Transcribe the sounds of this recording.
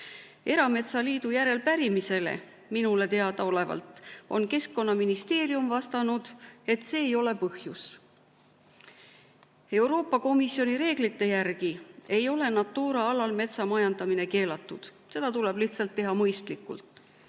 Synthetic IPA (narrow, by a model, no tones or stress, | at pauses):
e̞ɾɑme̞t̪sɑliːd̪̥ujæɾe̞lpæɾimise̞le̞̰ | minule̞t̪e̞ɑd̪̥ɑo̞le̞vɑ̰lt̪ˑo̞nke̞skːo̞nːɑminist̪e̞ːɾiumvɑst̪ɑnud̪̥e̞t̪ːse̞ːjo̞le̞pɤhjus | e̞wɾo̞ːpːˑɑko̞misjo̞niɾe̞ːɡlit̪ːe̞jærɡ̥ie̞jo̞le̞nɑt̪ːˑuːɾɑɑlɑlme̞t̪sɑmɑjɑnd̪̥ɑmine̞ke̞ːlɑt̪ːˑud̪̥ | se̞d̪̥ɑt̪ule̞b̥liht̪sɑlt̪ːe̞ɦɑmɤjst̪likːˑṵlt̪ˑ